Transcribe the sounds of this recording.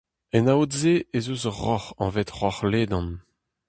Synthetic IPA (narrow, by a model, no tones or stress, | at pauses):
ɛnawt̪zeezuzʁɔχɑ̰̃vet̪ʁɔχleːd̪ɑ̃n